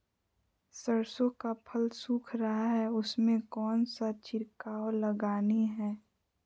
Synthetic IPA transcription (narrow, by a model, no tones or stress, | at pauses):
səɾsõkapʰəlsuːkʰɾəɦaɦɛʊsmẽkɔːnsat͡ʃɪɾkaːoləɡaːniɦɛː